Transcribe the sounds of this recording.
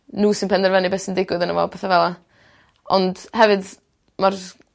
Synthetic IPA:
nuːsɪnpʰɛndɛrvɛnɨbɛsəndɪɡwɨðənəvɔ̰lˠpʰɛːθavɛlˠa | ɔndhɛvɨd | mar

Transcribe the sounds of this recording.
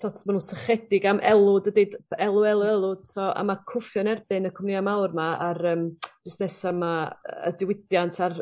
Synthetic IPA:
sʰɔtʰmanunsəχɛdɪɡamʔɛlˠʊdədeːdɛlˠʊɛlˠʊɛlˠʊd̥sɔa̰makʰʊfjɔnɛrb̥ɨnəkʰɔmnɪamawrmaaɾəːmd̥ɪsnɛsamaə̰dɪwɪdjantʰar

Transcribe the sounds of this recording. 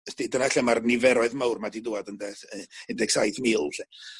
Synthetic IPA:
sd̥idənaɬɛmarnɪvɛɾɔɨðmawrmadidʊadəndɛθəndɛɡ̥sajθmiːlˠɬɛ

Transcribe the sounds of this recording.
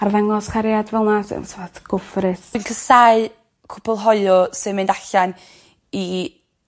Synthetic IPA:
arðaŋɔskʰaɾjadvɛlˠnasɪ̰nsʰvatɡ̥ʊfrɪsinkʰəsaɨ | kʰʊbɔlˠɦɔɨɔsɨmɪndaɬan | i

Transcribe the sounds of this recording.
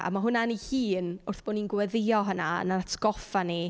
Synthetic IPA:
a̰maɦʊnanihiːnʊrθb̥oːninɡwɛðɪjɔɦənaə̰naatʰɡ̥ɔfani

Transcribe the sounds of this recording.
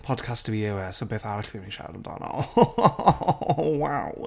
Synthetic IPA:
pʰɔd̥kʰastəviɪwɛsobeːθaɾɪɬviːmniʃa̰wdə̰ndɔ̰nɔ̰ | waw

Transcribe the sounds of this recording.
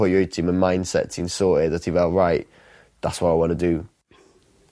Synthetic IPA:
ɔjətʰɪ̃mə̃nmãɪ̃nd̥sɛ̰tɪ̃nsɔˑʔɪðətivaʊʔɹaɪʔ | ðatswaɪaɪwɒ̃nədə

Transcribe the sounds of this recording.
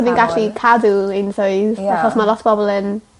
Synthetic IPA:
minɡaɬikʰaduensoɨðaχɔsmalɔtʰb̥ɔbɔlˠən

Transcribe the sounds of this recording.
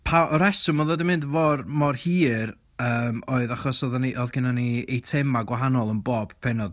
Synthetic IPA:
pʰaʔɔɾɛsʊmɔðˠɔdəmɪndvɔrmɔrhiːɾ | əːmoːɨðaχɔsɔðaniʔɔðɡɪnaniejtʰɛmaɡwaɦanɔlˠənboːb̥pʰɛnɔd̥

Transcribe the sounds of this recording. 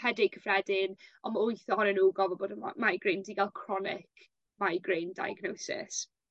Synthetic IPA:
hɛdɪkʰəfrɛdɪnɔməʊɨθɔhɔnənuːɡɔvɔboːdə̰majɡrendiɡalˠkʰrɔnɪ̰kʰ | majɡrejnda̰jəɡnowsɪ̰s

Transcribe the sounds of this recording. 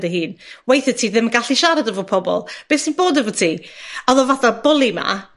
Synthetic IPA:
dəhiːnwejθətʰiːðɪməɡaɬiʃaɾadəvɔpʰɔbɔ̰lˠb̥eːsdiboːdəvɔtʰiːɔðɔvaθabʊlˠima̰

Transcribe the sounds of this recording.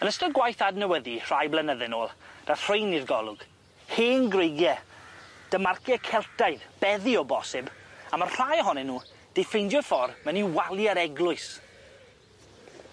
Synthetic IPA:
ənəstɔɡwajθadnəwəðir̥ajblənəðɪnoːlˠd̥ar̥ejnirɡɔlˠʊɡ̥ | heːnɡrejɡjɛ | d̥əmarkjɛkʰɛlˠtaɨðb̥ɛðiɔbɔsɪbamarr̥ajəɦɔnɛnːuː | d̥ejfejndjɔfɔrməniwalˠjaɾɛɡlˠʊɨs

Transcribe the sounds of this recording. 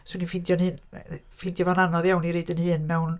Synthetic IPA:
suninfindjɔnhɨːn | findʰjɔvananɔðjawniɾeːdənhɨːnmɛwn

